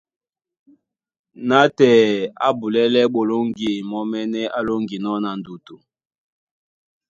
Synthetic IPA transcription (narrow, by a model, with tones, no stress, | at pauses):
na˦tɛ˨a˦bu˨lɛ˦lɛ˦ɓo˨lo˦ŋɡe˨mɔ˦mɛ˦nɛ˦ʔa˦lo˦ŋɡi˨nɔ˦na˨n˨du˨tu˨